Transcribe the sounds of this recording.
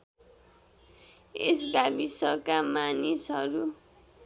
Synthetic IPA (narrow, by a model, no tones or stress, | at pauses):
eskabisʌkamanisɦʌɾu